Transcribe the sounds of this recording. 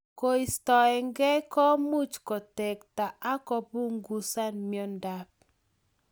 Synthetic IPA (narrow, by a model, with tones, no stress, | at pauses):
ko˦i˨stɔ˨ɛ˨ŋɡɛ˦kɔ˦mu˦t͡ʃkɔ˨tɛ˨kta˨ʔa˦kɔ˦bu˦ŋɡu˦sa˦nmi˨ɔ˦nda˦p̚